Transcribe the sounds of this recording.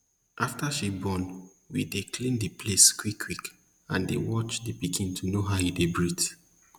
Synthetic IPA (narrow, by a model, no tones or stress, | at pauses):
ʔaftaʃibɔ̃n | widekʰlĩndəpʰleskwikʰːwik | ãndḛwɔt͡ʃdipikʰĩntʰunoɦaidebɹit